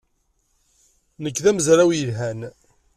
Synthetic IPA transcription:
nəkːðæməzɾæwjəlɦæn

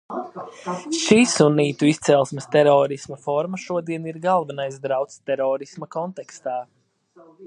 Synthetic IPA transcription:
ʃiːsuniːt̪uist̪sɛlˠsmɨst̪ɛɾɔːɾismafɔɾmaʃuɔd̪iɛniɾɡalvɛnajzd̪ɾawt̪st̪ɛɾɔːɾismakɔnt̪ɛkst̪aː

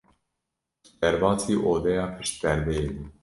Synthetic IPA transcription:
d̪̥ɛɾvɑːsiːʔoːd̪ɛjɑːpʰɨʃt̪t̪ɛɾd̪ɛjebuː

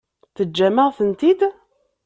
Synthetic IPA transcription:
θəd͡ʒːæməʁθənt̪id̪

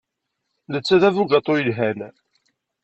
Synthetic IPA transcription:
ðət͡sːæðævuɡɑt̪ˤːojəlɦæn

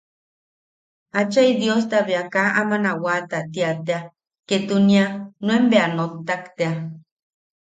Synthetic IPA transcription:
at͡ʃajd̪jos̬t̪aβeakaʔamanawat̪at̪iat̪ea | ket̪unianwembeanot̪ːakt̪ea

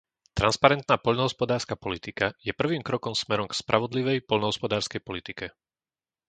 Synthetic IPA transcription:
t̪ɾanspaɾɛnt̪naːpɔʎnɔɦɔspɔd̪aːɾskapɔlit̪ikajɛpr̩ʋiːmkɾɔkɔmsmɛɾɔmkspɾʔaʋɔd̪liʋɛjpɔʎnɔɦɔspɔd̪aːɾskɛjpɔlit̪ikɛ

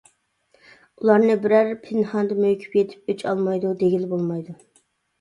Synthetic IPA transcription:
ulˠɑɾnɨbɪɾæɾpʰɪnhɑnd̪ɨmøjkʲʰy̥pjet̪ʰɪ̥p̚øt͡ʃʰɑ̰lˠmɑjd̪ud̪eɡʲilbolˠmɑjd̪u

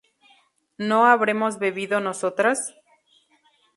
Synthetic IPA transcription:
no̞aβɾe̞mo̞zβeβiðo̞nosot̪ɾas

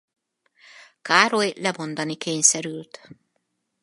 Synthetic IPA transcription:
kaːɾojlɛbo̞nd̪ɒnikeːɲsɛɾylt̪

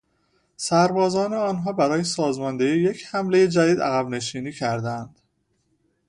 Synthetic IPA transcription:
sæɾbɒːzɒːneɒːnɦɒːbæɾɒːjesɒːzmɒnd̪ejije̞cʰhæmle̞jed͡ʒæd̪iːd̪æ̰ɣæbne̞ʃiːniːcʰæɾd̪ænd̪̥

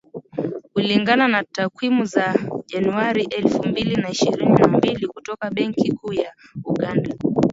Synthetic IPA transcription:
kuliŋɡananatakwimuzaʄanuaɾiʔɛlfumbilinaiʃiɾininambilikutɔkaɓɛŋkikʰuːjauɠanda

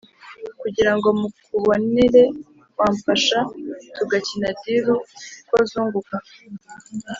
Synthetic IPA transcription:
kuɟiɾaŋɡo̞mukuβo̞niɾe̞ | kwaːɱfaʃatuɡacinadiɾukwozuːŋɡuka

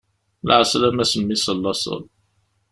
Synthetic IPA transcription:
lʕəslæmæsəmːisəlːɑsˤə̰l

